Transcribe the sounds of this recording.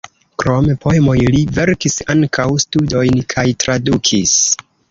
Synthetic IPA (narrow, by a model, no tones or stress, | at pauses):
kɾo̞mepo̞e̞mo̞jlive̞ɾkisaŋkʰawstudo̞jnkʰajtɾadukʰis